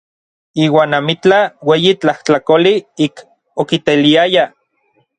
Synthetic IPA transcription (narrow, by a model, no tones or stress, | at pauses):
iːwaːnamit͡ɬaweːjit͡ɬaht͡ɬakoliik | okit̪eliaja